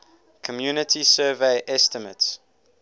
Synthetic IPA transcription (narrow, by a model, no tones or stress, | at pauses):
kʰɔmjuːnɪtʰisɜːveɪʔɛstəmə̰ts